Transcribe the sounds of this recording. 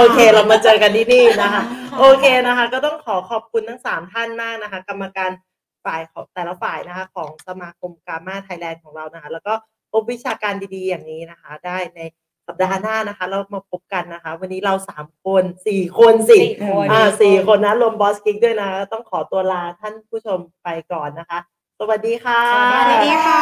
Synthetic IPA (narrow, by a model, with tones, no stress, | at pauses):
ʔoː˧kʰeː˧la˧wmaː˧t͡ɕɤː˧ka˧nt̪ʰiː˥˩niː˥˩na˦˥kʰa˦˥ʔoː˧kʰeː˧na˦˥kʰa˦˥kɔː˥˩t̪ɔ˥˩ŋkʰɔː˩˦kʰɔː˨˩p̚kʰu˧nt̪ʰa˦˥˩ŋsaː˩˦mt̪ʰa˥˩nmaː˥˩k̚na˦˥kʰa˦˥ka˧mːa˧kaː˧n | faː˨˩jkʰɔː˩˦ŋt̪ɛː˨˩la˧faː˨˩jna˦˥kʰa˦˥kʰɔː˩˦ŋsa˧maː˧kʰo˧mkaː˧maː˥˩t̪ʰaː˧jlɛː˧nkʰɔː˩˦ŋɾa˧wna˦˥kʰa˦˥lɛː˦˥wkɔː˥˩ | pʰo˦˥p̚wi˦˥t͡ɕʰaː˧kaː˧ndiː˧diː˧jaː˨˩ŋniː˦˥na˦˥kʰa˦˥daː˥˩jna˧j | sa˨˩p̚daː˧naː˥˩na˦˥kʰa˦˥lɛː˦˥wmaː˧pʰo˦˥p̚ka˧nːa˦˥kʰa˦˥wa˧nːiː˦˥ɾa˧wsaː˩˦mkʰo˧nsiː˨˩kʰo˧nsi˨˩ʔaː˧˩siː˨˩kʰo˧nːa˦˥lo˧mbɔː˦˥ski˦˥du˥˩əjna˦kʰa˦˥kɔː˥˩t̪ɔ˥˩ŋkʰɔː˩˦t̪u˧ɐlaː˧t̪ʰa˥˩npʰuː˥˩t͡ɕʰo˧mpa˧jkɔː˨˩nːa˦˥kʰa˦˥ | sa˨˩wa˨˩diː˧xʰaː˥˩˧